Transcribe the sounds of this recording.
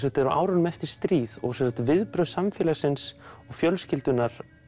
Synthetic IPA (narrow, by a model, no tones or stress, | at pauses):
sɛt̪ɛɾaʔaːwɾanʏmɛft̪ɪɾ̥st̪ɾiːðɔ̰ɣsɛsat̪vɪðpɾœsamfjɛːlasɪnsɔɣfjœlscɪlt̪ʏnːaɾ̥